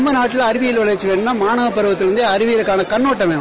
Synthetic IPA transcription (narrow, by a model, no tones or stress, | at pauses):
mbɐnaːʈːɪlɐɾɪʋɪjɪlʋɐɭɐt͡ʃːɯʋeːɳɯnːaːmaːɳɐʋɐpːɐɾɯʋɐt̪ːɪlɾɐnd̪eɐɾɯʋɪjɪɾɯkːaːnɐkɐɳːoːʈːɐmeː